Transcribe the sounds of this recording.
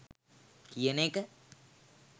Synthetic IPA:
kijəneːkə

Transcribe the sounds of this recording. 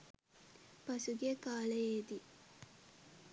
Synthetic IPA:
pɐsuɡekaːlejeːd̪i

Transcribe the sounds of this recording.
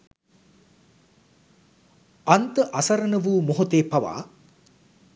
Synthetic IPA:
ant̪əʔɐsɐɾənəʋuːmoɦot̪eːpaʋa̰ː

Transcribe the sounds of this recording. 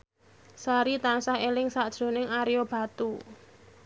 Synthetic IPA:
saɾit̪ansahelɪŋsaʔd̥ʒ̥o̤nɪŋaɾijob̥a̤t̪u

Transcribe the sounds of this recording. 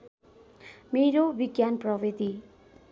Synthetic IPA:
meɾobiɡjanprʌbid̪i

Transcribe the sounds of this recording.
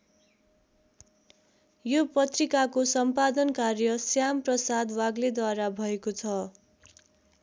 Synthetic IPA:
jopʌt̪rikakosʌmpad̪ʌnkarjʌsjamprʌsad̪waɡled̪waɾabʱʌekot͡sʰʌ

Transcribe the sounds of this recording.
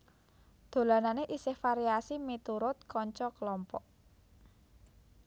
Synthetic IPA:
d̪̥o̤lananeʔisɪhfaɾiasimit̪uɾʊt̪̚kɔɲt͡ʃɔkəlɔmpɔʔ

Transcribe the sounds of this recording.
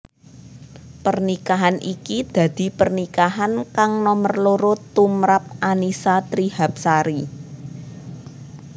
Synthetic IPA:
pərnikaɦanʔikid̪̥ä̤d̪̥i̤pərnikaɦankaŋnɔmərloɾot̪umɾap̚ʔanisat̪ɾihap̚saɾi

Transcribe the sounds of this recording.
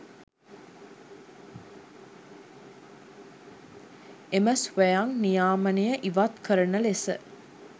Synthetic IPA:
eməsʋjaŋnijaːmənejəʔiʋat̪kəɾənəlesə

